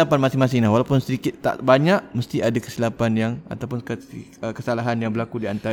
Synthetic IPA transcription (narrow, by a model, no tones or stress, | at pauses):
apanmasɪŋmãsɪŋlahwalawpʊnsəɾikɪt̪ːa̰ʔbaɲaʔməst̪iʔadakə̥silapanjaŋa̰t̪awpʊnəkəsalaɦanjaŋbəlakudiant̪a